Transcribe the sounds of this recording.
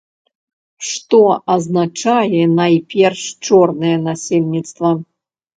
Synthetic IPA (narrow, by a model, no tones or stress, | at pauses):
ʂt̪ɔɐznat͡ʂajɛnajpʲɛrʂt͡ʂɔrnɨjɛnasʲelʲnʲit̪st̪vɐ